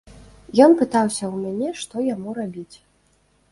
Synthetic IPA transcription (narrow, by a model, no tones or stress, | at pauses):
jɔnpɨt̪awsʲɐwmʲanʲɛʂt̪ɔjamuɾabʲit͡sʲ